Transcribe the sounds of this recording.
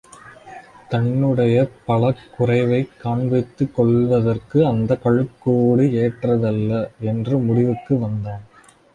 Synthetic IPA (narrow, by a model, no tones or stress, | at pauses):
t̪ɐnːɯɽɐjɐpɐɭɐkːʊrɐɪʋɐɪkːaːɳʋɐɪt̪ːɯkːɔɭʋɐðɐrkɯɐnd̪ɐkɐɻɯkːoːɽɯeːʈrɐðɐlːɐɛndrɯmʊɽɪʋɯkːɯʋɐnd̪aːn